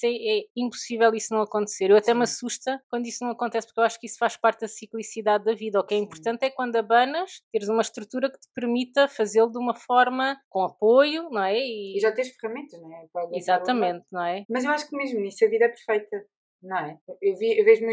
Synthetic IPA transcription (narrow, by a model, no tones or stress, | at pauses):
ɛɛĩmpu̥sivɛlˠisunɐ̃w̃ɐkõnt̪seɾewɐt̪ɛmɐsuʃt̪ɐkwɐ̃nd̪uisnɐ̃w̃ɐkõnt̪ɛspuɾkewaʃu̥kisfaʃpaɾt̪̚ðɐsiklˠisiðaðːɐviðɐukɛĩmpuɾt̪ɐ̃nt̪ɛkwɐ̃nd̪ɐβɐnɐʃt̪eɾzumɐʃt̪ɾut̪uɾɐkɨ̥t̪ɨ̥pɨɾmit̪ɐfɐzelˠd̪umɐfɔɾmɐkõɐpojunɐ̃w̃ɛiiʒat̪ẽj̃ʃfɨʁɐmẽnt̪ɐʃñɛkalˠizat̪ɐmẽnt̪nɐ̃w̃ɛmɐzewaʃu̥kmeʒmuniʃsɐviðɐɛpɨɾfɐjt̪ɐ | nɐ̃w̃ɛewviewveʒmũ